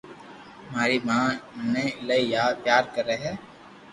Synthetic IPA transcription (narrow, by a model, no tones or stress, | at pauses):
maːɾimãːməneɪlaijaːd̪̚pjaːɾkəɾeɦɛː